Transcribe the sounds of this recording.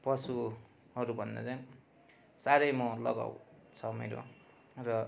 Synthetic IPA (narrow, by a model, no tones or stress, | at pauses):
pʌsu | ɦʌɾubʱʌnd̪a̰t͡saj̃ | saɾʌjmʌlʌɡa̰wt͡sʰʌmḛɾo̰ | rʌ